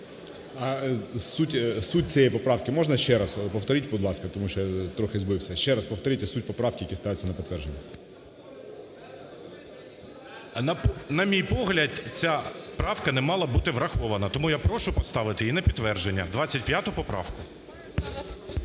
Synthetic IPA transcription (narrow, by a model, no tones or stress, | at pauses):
ɐsutʲsut̚ʲt͡sʲijɛjpɔpɾɑwkɪmɔʒnɐʃt͡ʃɛɾɐspɔwt̪ɔɾɪtʲbʊd̪lˠɑskɐt̪ɔmuʃt͡ʃɔjat̪ɾɔxɪzbɪwsʲɐʃt͡ʃɛɾɐspɔwt̪ɔɾɪtʲɐsutʲpɔpɾɑwkɪjɐkist̪ɑʋɪt͡sʲːɐnɐpɔt̪ʋɛrʒenʲːɐ | nɐpnɐmʲijpɔɦlʲɐd̪t͡sʲapɾɑwkɐnɛmɑlˠɐbut̪ɪʋɾɐxɔʋɐnɐt̪ɔmujapɾɔʃʊpɔst̪ɑʋɪt̪ɪinɛpʲit̪ːʋɛrʒenʲːɐd̪ʋat͡sʲɐtʲpjat̪ʊpɔpɾɑ̰wkʊ